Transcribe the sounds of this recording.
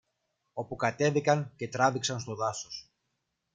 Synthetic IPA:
o̞pukɐt̪e̞ðikɐŋce̞t̪ɾɐðiksɐnst̪o̞ðɐso̞s

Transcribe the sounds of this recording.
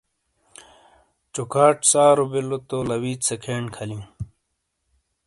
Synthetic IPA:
t͡ɕukʰaːʈsaːɾobilot̪olɐwiːt̪sɐkʰeːɳkʰɐlĩ

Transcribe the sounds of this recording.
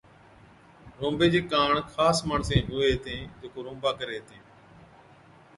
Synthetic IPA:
ɾõːmbeːd͡ʒeːkaːɳkʰaːsmaːɳsẽːɦʊːeːt̪ẽːd͡ʒeːkoːɾõːmbaːkəɾeːt̪ẽː

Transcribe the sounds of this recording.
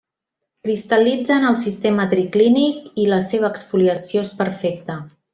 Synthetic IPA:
kɾist̪əlid͡zənəlˠsist̪emət̪ɾiklinikiləseβ̞əːksfuliəsioespəɾfek̚t̪ə

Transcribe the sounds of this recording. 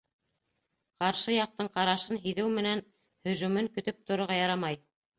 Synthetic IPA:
qɑɾʃɤjɑq̚t̪ɤɴqɑɾɑʃɤnɦiðɘwmɘ̆næn | hɵ̆ʒʉmɘŋkɵ̆t̪ɵp̚t̪ŏɾŏʁɑjɑɾɑmɑj

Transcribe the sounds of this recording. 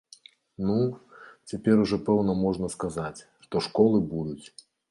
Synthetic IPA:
nut͡sʲapʲɛɾuʐɔpɛwnɐmɔʐnɐskazat͡sʲ | ʂt̪ɔʂkɔlˠɨbud̪ut͡sʲ

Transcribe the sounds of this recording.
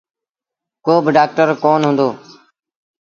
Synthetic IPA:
koːbɖaːk̚ʈəɾkoːnɦʊ̃nd̪oː

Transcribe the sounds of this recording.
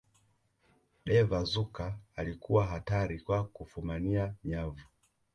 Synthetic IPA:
ɗɛvazukaːlikʰuwaɦataɾikwakufumaniaɲavu

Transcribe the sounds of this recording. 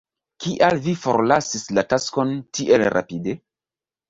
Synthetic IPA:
kiʔalvifo̞̰ɾlasislatasko̞ntiʔe̞lɾʔa̰pide̞

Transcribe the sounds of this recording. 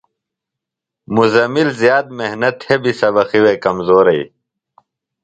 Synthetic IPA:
muzɐmilzjaːd̪̚mehnɐt̪hebisɐbɐxiweːkɐmzoːɾɐi

